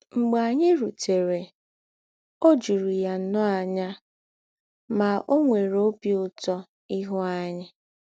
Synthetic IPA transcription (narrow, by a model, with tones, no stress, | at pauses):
ŋ͡m̩˨ɡ͡ba˨ɲɪ˦ɾu˨te˨ɾe˨ | o˦d͡ʒu˨ɾi˨ja˨n̩˦nɔ˦a˨ɲa˦ | ma˨ʔo˦ŋʷe˨ɾo˦pi˦ʊ˨tɔ˦ | i˦ɦʊ˦a˦ɲɪ˦